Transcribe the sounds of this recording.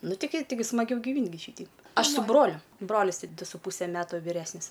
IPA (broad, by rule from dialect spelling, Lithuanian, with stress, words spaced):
ˈnʊ tʲɪˈɡʲɪ tʲɪˈɡʲɪ smɐˈɡʲɛʊ ɡʲɪˈʋʲiːnʲtʲ ɡʲɪ ˈʃʲiːtʲɛɪp ˈɐʃ sʊ ˈbroːlʲʊ ˈbroːlʲɪs ˈdʊ sʊ ˈpuːsʲɛ ˈmʲæːtʊ ʋʲɪˈrʲæːsʲnʲɪs